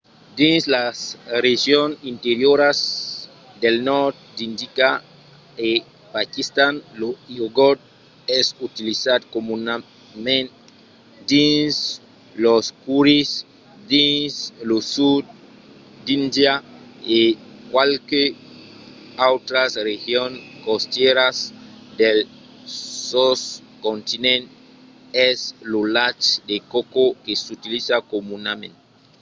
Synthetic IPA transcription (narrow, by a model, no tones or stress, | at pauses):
d̪ĩnslasreʒjonint̪eɾjoɾas | d̪elnɔɾt̪̚d̪ind̪ika | e | pakist̪anloioɡod̪̚ | ɛsut̪ilisad̪komuna | mẽn | d̪ins | loskuɾis | d̪ĩnslosud̪ | d̪indjaekwalke | awt̪ɾasrehjoŋkost̪jɛɾas | d̪el | sos | kõnt̪inẽnt̪ | ɛslolat͡ʃd̪ekokokesut̪ilisakomunamẽnte